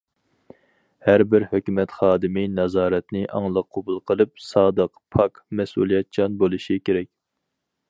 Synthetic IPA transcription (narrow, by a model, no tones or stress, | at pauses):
hæɾbɪɾhøkʲymɛt̪χɑːd̪ɨmɪnɑzɑːɾɛt̪nɪʔɑŋlˠəqʰːobulˠqʰəlˠɨp̚sɑːd̪əqpʰɑkmɛsṵlˠijɛt̪̚t͡ʃʰɑnbolˠɨʃikʲʰeɾɛkʲ